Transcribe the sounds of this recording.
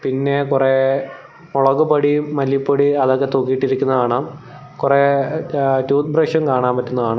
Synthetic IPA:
pinːe̞kure | oɭɐɣupɐɽimɐlːipːɐɽiɐðokːet̪okːijiʈːiɾikʲːunːɐðaːɳaːm | kure | tuːt̪brɐʂɐmkaːɳaːmpɐtːunːuðaːɳɨ

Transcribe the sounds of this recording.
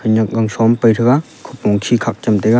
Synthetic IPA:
hɯnɐk̚ɡaŋsɔmpəjtʰɯɡa | kʰup̚ːɔŋkʰikʰak̚t͡ʃɐmtejɡa

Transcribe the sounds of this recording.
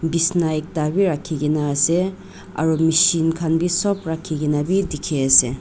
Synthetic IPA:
bisnajk̚dabiɾakʰːiɡinase | a̰ɾɔmisinkʰanbisɔpɾakʰːiɡinabidikʰease

